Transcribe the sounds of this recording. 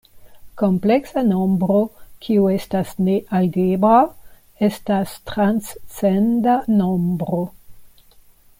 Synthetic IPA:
ko̞mple̞ksano̞mbɾo̞kʰiue̞stasne̞ʔalɡebɾa | e̞stastɾanssendano̞mbɾo̞

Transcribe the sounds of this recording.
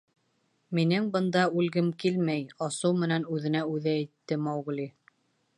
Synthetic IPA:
minɘŋbɤ̆nd̪ɑʉlɡɘmkilmæjɑsɤwmɘ̆nænʉðɘ̆næʉðæːt̪ːɘmɑwɡ̆lʲi

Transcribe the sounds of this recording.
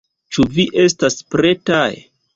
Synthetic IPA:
t͡ʃuviʔe̞staspɾe̞taj

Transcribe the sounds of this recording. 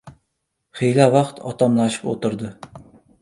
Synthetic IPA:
χejlavɑqt̪ʰɒ̰t̪ʰamlˠaʃɪ̥po̰t̪ɪɾd̪ɪ

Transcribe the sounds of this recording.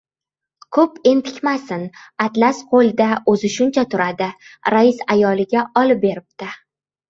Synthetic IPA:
kʰɵpe̞nt̪ʰɪ̥kʲmasɪnat̪lasqʰolˠd̪aɵzɪʃʊnt͡ʃʰat̪ʰʊɾad̪ɪɾaɪsajɒlɪɡʲaɒlɪp̚be̞ɾɪp̚t̪ɪ

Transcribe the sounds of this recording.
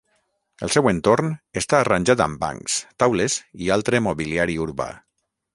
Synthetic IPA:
əlˠsɛwent̪oɾnest̪aːranʲʒat̪a̰mba̰ŋkst̪awlezialˠt̪ɾemoβiliaɾiuɾβa̰

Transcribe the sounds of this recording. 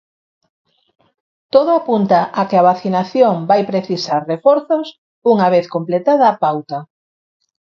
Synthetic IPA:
t̪oðʊapunt̪aʔakɪaβaθinaθjoŋbajpɾeθisaɾrefɔɾθos | uŋaβeθkomplet̪aðaːpawt̪a

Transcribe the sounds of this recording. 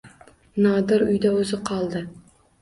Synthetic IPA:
nɒd̪ɪɾʊjd̪aɵzɪqʰɒlˠd̪ɪ

